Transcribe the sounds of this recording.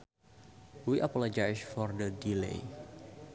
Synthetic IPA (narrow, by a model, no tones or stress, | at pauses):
wiʔapɔlɔd͡ʒajsfɔrdədilḛj